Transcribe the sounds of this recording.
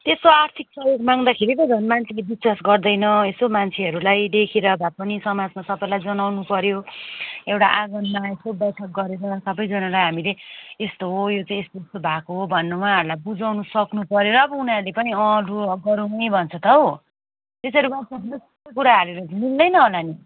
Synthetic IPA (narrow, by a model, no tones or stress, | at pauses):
t̪esoart̪ʰiksʌjoɡmaŋd̪akʰeɾikod͡zʱʌnmant͡sʰelebiswasɡʌrd̪ʌjnʌesomant͡sʰeɦʌɾulajd̪ekʰeɾʌbʱapʌnisʌmad͡zmasʌpʌlajd͡zʌnawnupʌɾjo | ewʈaʔaɡʌnmaesobjʌrʈʰʌk̚ɡʌɾeɾʌsʌbʌjd͡zʌnalajɦamileest̪oɦojot͡saĩest̪oest̪obʱakoɦobʱʌnːʌwaɦʌɾulajbud͡zawnʌsʌknupʌɾjoɾʌːbʌunaɾlepʌniʌ̃luʌɡʌɾunʌjbʱʌnt͡sʰʌt̪ʌɦo | t̪esʌɾumat͡sʌbdesʌ̥st̪ʌkuɾaɦaɾeɾʌnild̪ʌjnʌɦolani